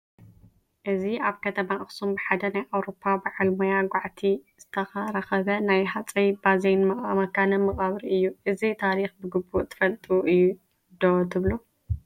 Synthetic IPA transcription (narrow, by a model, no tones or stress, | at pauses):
ʔɨziaβkʰɐt̪ʰɐmaʔɨxsumbɨħad̪ɐnajʔawɾo̞pʰːabɨʕalmojaɡʷaʕt̪ʰiz̥ɨt̪ʰɐxɐɾɐxɐβɐnajɦat͡sʼejbazejnmɐχʼamɐkʰanɐmɐχʼaβɨɾiɨjːuʔɨzit̪ʰaɾixbɨɡɨbːuʔt̪ʰɨ̥fɐlt̪ʼuʔɨjːu | d̪ot̪ʰɨβlu